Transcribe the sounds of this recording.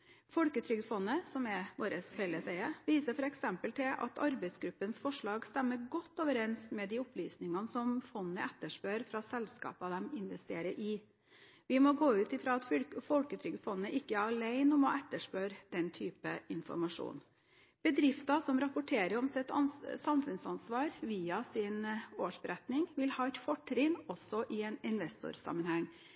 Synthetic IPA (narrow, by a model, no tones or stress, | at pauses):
fɔlkət̪ʰɾʏɡ̪fɔnːəsɔmɛʋoːɾəsfɛlːəsæɪəʋiːsəfɔɾɛksɛmpəlt̪ʰɪlʔɑ̰t̪ʰɑ̰ɾbɛɪsɡɾʉpːənsfɔʂɭɑːɡst̪ɛmːəɡɔt̪ːoːʋəɾɛnsmɛd̪ɪɔpʰlyːsnɪŋɑnəsɔmfɔnːəʔɛt̪ːəʂpøːɾfɾɑsɛlskɑ̰ːpɑʋd̪ɛmɪnʋɛst̪eːɾəɾʔɪ | ʋɪmɔɡoːʉːt̪ɪfɾɑːɑt̪fɔlkət̪ʰɾʏɡfɔnːəʔɪkːəæɾɑleɪnɔmɔʔɛt̪ːəʂpøːɾd̪̥ɛnt̪ʰyːpəɪnfɔ̰ɾmɑʂṵːn | b̥əd̪ɾɪft̪ɑsɔmɾɑpʊʈʰeːɾəɾɔmsɛt̪ɑsɑmfʉnsɑnsʋɑːɾʋiːɑsɪnoːʂbəɾɛt̪nɪŋʋɪlhɑːɛt̪fɔʈːɾɪnɔsːɔʔɪɛnɪnʋɛst̪ʊ̰ɾsɑ̰mːənhæŋː